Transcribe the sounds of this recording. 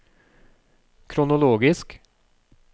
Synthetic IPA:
kʰɾʊnʊloːɡɪsk

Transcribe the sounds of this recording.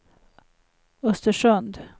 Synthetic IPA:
ɵst̪əʂœnd̪

